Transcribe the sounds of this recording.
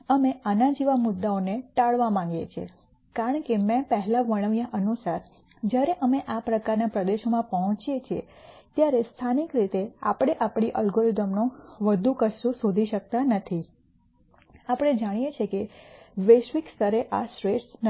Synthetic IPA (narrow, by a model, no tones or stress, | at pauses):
əmeʔanad͡ʒiʋamʊd̪ːaoneʈaɭʋamãŋɡḛt͡ʃʰḛ | kaɾəɳkemɛ̃pəɦɛlaʋəɽ̃əʋijaʔənusaɾ | d͡ʒjaɾeʔəmeʔapɾəkaɾnapɾəd̪eʃomãpəɦɔ̃t͡ʃijet͡ʃʰie | t̪jaɾest̪ʰanikɾit̪ea̰pɽ̃eʔapɽ̃iʔəlɡoɾid̪əmnõʋəd̪ʱukəsusod̪ʱiʃək̚t̪anət̪ʰi | apəɽ̃ed͡ʒaɽ̃ijet͡ʃʰekeʋeʃʋikst̪əɾeʔasɾesn